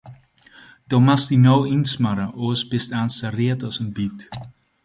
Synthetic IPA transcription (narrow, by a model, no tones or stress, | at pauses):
d̥omastinɔwinsmaɾəʔoːsbɪstaːnsariːtɔsənbit